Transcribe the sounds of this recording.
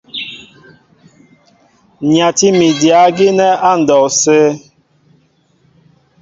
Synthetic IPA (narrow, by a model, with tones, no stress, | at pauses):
ɲa˨ti˦mi˨di˨a˨˦ɡi˦nɛ˦a˦n̩˨dɔ˨se˦